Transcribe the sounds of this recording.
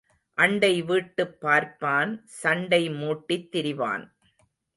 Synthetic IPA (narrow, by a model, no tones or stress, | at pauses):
ʔɐɳɖɐɪʋiːʈːɯpːaːɾpaːnsɐɳɖɐɪmuːʈːit̪ːɪɾɪʋa̰ːn